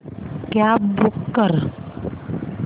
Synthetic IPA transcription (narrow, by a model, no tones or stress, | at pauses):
kjabukːəɾ